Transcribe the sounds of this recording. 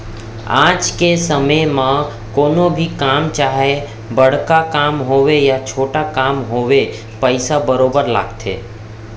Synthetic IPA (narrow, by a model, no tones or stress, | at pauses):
ã̰ːd͡ʒkesəməjmã | koːnobʱikaːmt͡ʃaːɦe | bəɽ̤kakaːmɦowejat͡ʃʰoːʈakaːmɦoːwe | pəɪsabəɾoːbəɾla̰ːɡt̪ʰḛː